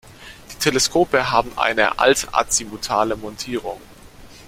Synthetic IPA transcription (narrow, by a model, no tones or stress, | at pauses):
d̥iːtʰeləskʰoːpəɦaːbm̩ʔa̰ɪnə̰ʔa̰lta̰t͡simutʰaːləmɔntʰiːʁ̞ʊ̰ŋ